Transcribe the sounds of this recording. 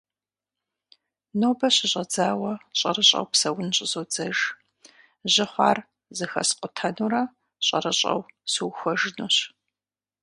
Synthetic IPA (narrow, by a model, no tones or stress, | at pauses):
noːbɐɕɪɕʼɐd͡zaːwɐɕʼɐrɨɕʼɐ̰wpsɐwʊnɕʼɪzoːd͡zɐʒ | ʑɪχʷɑ̰ːr | zɨxɐ̰sqʷʼʊtʰɐnuɾɐ | ɕʼɐrɐɕʼɐ̰wsuwxʷɐʒnuːɕ